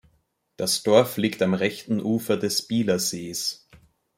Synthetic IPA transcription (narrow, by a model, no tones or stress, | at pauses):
d̥asd̥ɔɐfliːktamʁɛçtn̩ʔuːfɐdɛsb̥iːlɐzeːs